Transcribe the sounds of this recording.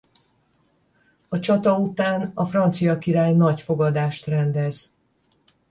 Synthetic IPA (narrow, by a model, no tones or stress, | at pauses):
ɒt͡ʃɒt̪ɒut̪aːnɒfrɒnt̪sijɒkiɾaːjnɒcfo̞ɡɒd̪aːʃt̪rɛnd̪ɛz̥